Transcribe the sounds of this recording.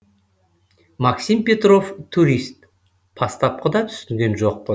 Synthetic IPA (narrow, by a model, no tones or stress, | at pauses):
mɑksimpʲe̞t̪ro̞ft̪ʰuɾʲist̪̚ | pʰɑst̪ɑp̚qəd̪ɑt̪ʰʏ̥sɪŋɡʲe̞nʒo̞q̚pə